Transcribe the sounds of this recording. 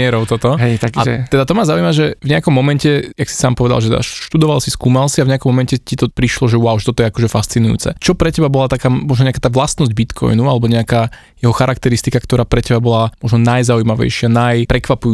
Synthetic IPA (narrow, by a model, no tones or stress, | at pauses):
ɪɛɾɔʊt̪ɔt̪ɔɦɛjt̪akat̪ɛd̪at̪ɔmazaujmaʒɛvɲɛakɔmːɔmɛncɛjaksi̥saːmpɔʋɛd̪a̰lˠʒɛt̪ɛa̰ʃʃt̪ud̪ɔʋalsiskuːmalsiavɲɛakɔmːɔmɛncɛcit̪ɔpɾiʃlɔʒɛʊaʊʃɛt̪ɔt̪ɔjɛakɔʒɛfast͡sinujṵːt͡sɛ̰t͡ʃɔpɾɛcɛbabɔlat̪akaːmɔʒnɔɲɛakaːt̪aːʋlast̪nɔzɟ̚bit̪kʰɔ̰jnualɛbɔɲɛakaː | jɛɦɔxaɾʔakt̪ɛɾist̪ikakt̪ɔɾaːpɾɛcɛbabɔlamwɔʒnɔnajzaujmaʋɛ̰jʃɪanajpɾɛkʋapuju